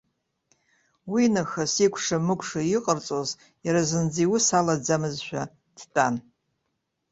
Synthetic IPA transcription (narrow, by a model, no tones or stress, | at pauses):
winaxasikʷʰʂamɨkʷʰʂaiqʼərt͡sʼoz | jaɾazɨnd͡ziwʊsalad͡zamɨzʃʷᶣa | d̥tʼan